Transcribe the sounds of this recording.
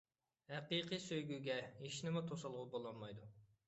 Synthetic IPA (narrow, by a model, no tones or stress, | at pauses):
hæqiqijsøjɡʲyɡʲɛiʃnɪmut̪ʰosɑlˠʁubolˠɔnmɑjd̪u